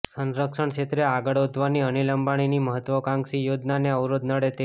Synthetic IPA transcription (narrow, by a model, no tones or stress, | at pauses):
sənɾəkʃəɳ̃t͡ʃʰet̪ɾeaɡəɽod̪ʱʋaniəniləmbaɽ̃iniməɦət̪ʋəkãŋksijod͡ʒnaneəʋɾod̪̚nəɽet̪e